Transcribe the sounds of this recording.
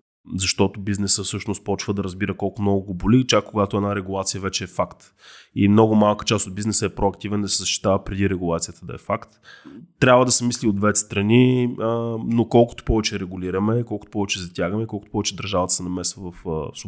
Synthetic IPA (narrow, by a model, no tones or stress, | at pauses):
zɐʃt̪ɔt̪obiznɛsəfsɤʃnost̪̚pɔt͡ʃvəd̪ɐɾəzbiɾəkɔlˠkʊmnɔɡʊɡobolit͡ʃakːoɡat̪oɛnaɾɛɡulˠat̪sijəvɛt͡ʃɛːfakt̪ | imnɔɡʊmalˠkə̥t͡ʃasod̪biznɛsəɛpɾoɐkt̪ivɛnd̪ɐsɛzɐʃt͡ʃ̪i̥t̪avəpɾɛd̪iɾɛɡulˠat̪sijət̪əd̪ɐ̰ɛfakt̪t̪ːɾʲabvəd̪ɐsɛmisliod̪vɛt̪ɛst̪ɾɐni | nokɔlˠkʊ̥t̪o̥pɔvɛt͡ʃɛɾɛɡʊliɾɐmɛikɔlˠkʊt̪o̥pɔvɛt͡ʃɛzɐt̪ʲjaɡəmɛikɔlˠkʊt̪pɔvɛt͡ʃɛd̪ɐɾʒavət̪əsɛnɐmɛsvəvɐfs